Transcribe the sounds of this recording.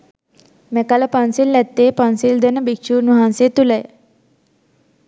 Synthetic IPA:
mɛkalapãnsilːat̪ːepãnsild̪ənəbikɕuːɾnuɦãnset̪uləj

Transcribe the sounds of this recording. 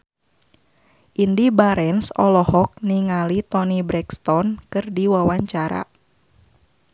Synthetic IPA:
ʔindibaɾɛnsɔ̰lɔhɔk̚niŋalit̪ɔnibɾɛkst̪ɔnkɨrdiwawaɲt͡ʃaɾa̰

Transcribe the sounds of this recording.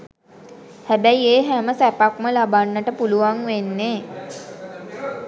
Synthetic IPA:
hæbæieːɦæməsæpakməlabanːəʈəpuluʋaŋʋenːeː

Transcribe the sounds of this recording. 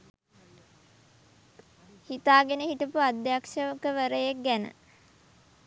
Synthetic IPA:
hit̪aːɡenəhiʈəpuad̪jakʃəʋəkəʋəɾəjek̚ɡænə̰

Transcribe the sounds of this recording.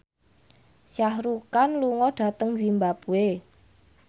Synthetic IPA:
ʃahɾukanluŋɔɖ̥a̤t̪əŋzimbapue

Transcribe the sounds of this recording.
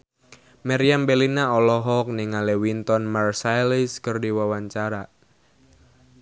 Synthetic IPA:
maɾiambɛlinaɔlɔɦɔk̚nɪŋalewint̪ɔnmarsajliskərdiwawaɲt͡ʃaɾa

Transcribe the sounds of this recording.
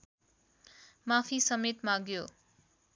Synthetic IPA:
mapʰisʌmet̪maɡjo

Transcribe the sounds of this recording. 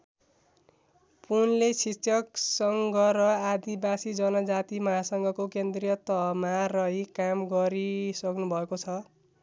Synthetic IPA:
punlesit͡sʰjʌksʌŋɡʌrʌad̪ibasid͡zʌnʌd͡zat̪imʌɦasʌŋɡʌkokend̪rijʌt̪ʌmarʌɦjkamɡʌɾisʌknubʱʌekot͡sʰʌ

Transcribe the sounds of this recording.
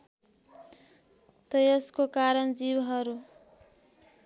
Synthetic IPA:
t̪ʌjʌskokaɾʌnd͡zibɦʌɾu

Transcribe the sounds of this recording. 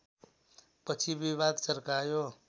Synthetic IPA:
pʌt͡sʰibiβad̪sʌɾkajo

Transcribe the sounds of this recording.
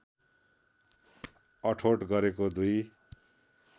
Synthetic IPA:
ʌʈʰoʈɡʌɾekod̪uj

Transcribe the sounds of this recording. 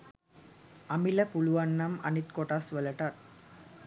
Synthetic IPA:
ɐmilɐpuluʋɐɳːɐmɐ̰nit̪koʈasʋɐlɐʈat̪̚

